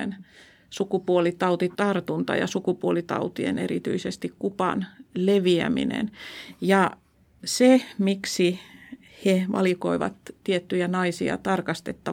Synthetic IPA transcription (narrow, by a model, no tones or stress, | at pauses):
en | sukupuolit̪ɑut̪it̪ɑrt̪unt̪ɑ̰jɑ̰sukupuolit̪ɑ̰ut̪iḛnerḭt̪y̰isest̪ikkupɑ̰nleʋiæ̰mḭnḛnjɑ | semiksi | heʋʔɑ̰liko̰iʋɑ̰t̪tiet̪ːyjænɑisiɑ̰t̪ɑrkɑst̪et̪ːɑ